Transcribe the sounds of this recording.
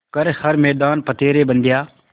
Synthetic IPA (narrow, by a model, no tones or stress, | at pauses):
kəɾhəɾmɛːd̪aːnpət̪eːɾeːbə̃nd̪ʱjaː